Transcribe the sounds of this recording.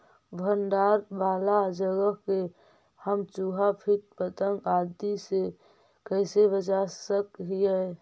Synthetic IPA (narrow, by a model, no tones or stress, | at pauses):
bʱənɖaːɾbaːlad͡ʒəɡəke | həmt͡ʃuɦapʰit̪̚pət̪əŋɡad̪ise | kəɪsebət͡ʃasəkɦijɛ